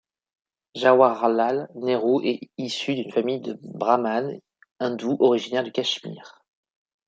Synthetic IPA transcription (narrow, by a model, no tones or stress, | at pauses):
ʒawaʁlalneʁoʔɛisyd̪ynfamijd̪əbʁaman | ɛ̃d̪uʔɔʁiʒinɛʁd̪əkʲaʃmḭːʁ